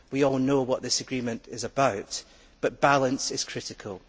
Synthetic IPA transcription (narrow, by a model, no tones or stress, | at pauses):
wiɔlˠnowɔʔðɪsəɡɹimə̃nʔɪzəbaʊʔ | b̥ʌʔb̥alˠə̃nsɪz̥kʰɹ̥ɪʔɪkʰəlˠ